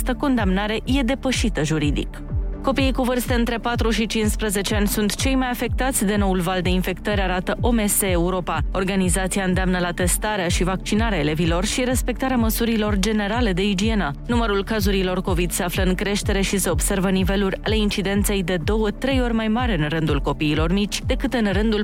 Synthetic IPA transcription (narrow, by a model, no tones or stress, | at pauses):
st̪əko̞nd̪amnaɾe̞je̞d̪e̞pəʃit̪əʒuɾid̪ḭk | ko̞piikuvɨrst̪e̞ɨnt̪ɾe̞pat̪ɾuʃit͡ʃinspɾəze̞t͡ʃe̞anʲsunt̪t͡ʃe̞jmajafe̞k̚t̪at̪sʲd̪e̞no̞ulvald̪e̞infe̞kt̪əɾʲaɾat̪əʔo̞me̞seːuɾo̞pao̞rɡanizat̪siaɨnd̪eamnəlat̪e̞st̪aɾeaʃivak̚t͡ʃinaɾeae̞le̞vilo̞rʃiɾe̞spe̞k̚t̪aɾeaməsuɾilo̞rd͡ʒe̞ne̞ɾale̞d̪e̞id͡ʒie̞nənuməɾulkazuɾilo̞rko̞vid̪seafləɨŋkɾe̞ʃt̪e̞ɾe̞ʃise̞o̞bse̞rvənive̞luɾʲa̰le̞int͡ʃid̪e̞nt̪se̞jd̪e̞d̪o̞wət̪ɾe̞jo̞rʲmajmaɾʲɨnrɨnd̪ulko̞piːlo̞rmit͡ʃʲd̪e̞kɨt̪ɨnrɨnd̪ul